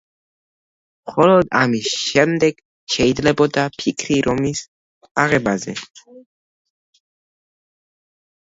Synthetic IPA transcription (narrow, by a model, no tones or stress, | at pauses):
mχɔlɔd̪amisʃɛmd̪ɛɡ̥ | ʃɛid̪zlɛbɔd̪apʰikʰɾiɾɔmis | aʁɛbazɛ